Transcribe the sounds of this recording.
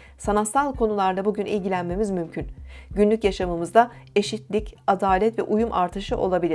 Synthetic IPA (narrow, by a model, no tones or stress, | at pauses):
sanast̪alˠkʰo̞nulˠaɾd̪abuɟynilʲɟilʲænme̞mizmymcʰynɟynlʲycjaʃamɯmɯzd̪ae̞ʃit̪lʲicad̪aːlʲɛt̪vɛ̰ʔujumʔa̰ɾt̪ʰɯʃɯʔo̞̰lˠabilʲi